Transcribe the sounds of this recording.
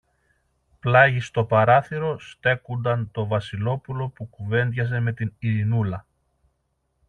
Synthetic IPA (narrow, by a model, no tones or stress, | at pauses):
plɐʝist̪o̞pɐɾɐθiɾo̞st̪e̞kund̪ɐnt̪o̞vɐsilo̞pulo̞pukuve̞nd̪ʝɐz̬e̞me̞t̪iniɾinulɐ